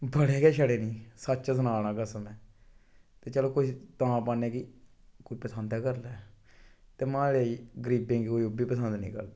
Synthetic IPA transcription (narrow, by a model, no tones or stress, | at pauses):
bəɽeːkɛːʃəɽeːnĩːsətːt͡ʃasənaːnãːkasəmẽː | t̪eːt͡ʃɛːloːkʊʃʰt̪ãːpaːnẽːki | koipəsənd̪ɛːkəɾlɛː | t̪eːmãːleiɡəɾiːbẽːŋɡikoːiʊbiːpəsənd̪nḭ̃ːkə̰ɾd̪aː